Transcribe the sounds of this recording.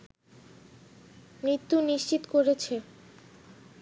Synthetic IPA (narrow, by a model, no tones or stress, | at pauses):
mɾit̪ːuniʃt͡ɕit̪okoɾet͡ɕʰe